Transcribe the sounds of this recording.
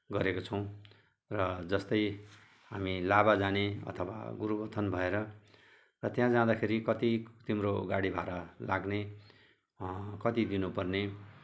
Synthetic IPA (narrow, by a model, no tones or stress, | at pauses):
ɡʌɾekot͡sʰʌw̃ | rʌd͡zʌst̪ʌj | ɦamilaβad͡zaneʌ̰t̪ʰʌwa̰ɡuɾubʌt̪ʰːʌnbʱʌeɾʌ | rʌt̪jãd͡zãd̪akʰeɾikʌt̪it̪imroɡaɽibʱaɾʌlaɡne | kʌt̪id̪inupʌrne